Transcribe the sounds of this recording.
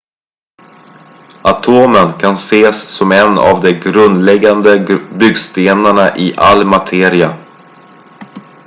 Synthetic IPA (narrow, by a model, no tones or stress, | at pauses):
ʔat̪ʰoːmənkʰanseːsːɔmɛna̰vd̪ɛɡɾɵnd̪lɛɡːand̪əbʏɡst̪eːnaɳaʔɪʔa̰lːmat̪ʰeːɾɪa